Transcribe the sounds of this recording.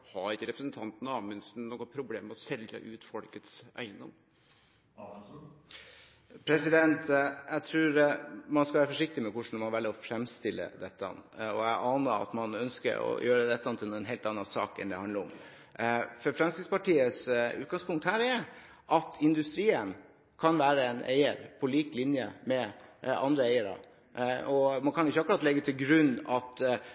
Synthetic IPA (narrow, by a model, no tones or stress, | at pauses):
hɑɾɪkːəɾɛpɾəsnt̪ʰɑnt̪nɑmɛnsnoːɡɔnpʰɾʊbleːmːɛɔsɛlə̰ʔʉːt̪fɔlkət̪sæ̰ɪənd̪ɔ̰m | pʰɾɛsɪd̪ɛnt̪jæɪt̪ʰɾʉːɾmɑnskɑʋæːɾəfɔʂɪk̚t̪ɪmɛkʊʂɳ̩mɑnʋɛːlːəɾɔfɾɛmst̪ɪlːə̰d̪ɛt̪ːəɑ̰nːɔæʔɑːnəɑ̰t̪mɑnœnskə̰ɾɔ̰jøːɾəd̪ɛt̪ːɑnt̪ʰɪlnːɛnɦeːlt̪ɑnːɑnsɑ̰ːkɛ̰nd̪ɛhɑnd̪əɾɔm | fɔɾfɾɛmst̪ɪspɑʈiːəsʉ̰ːt̪̚ɡɑŋspʰʊŋkt̪hæːɾɛɾ | ʔɑt̪ʰɪnd̪ʉst̪ɾiːən | kʰɑnʋæːɾəɛnʔḛɪəɾpʰɔliːklɪnjəmɛɑ̰nd̪ɾəeɪəɾɑ̰ | ɔmɑnkʰɑnɪçːɑkʉɾɑt̪lɛɡːət̪ʰɪlɡɾʉnːɑt̪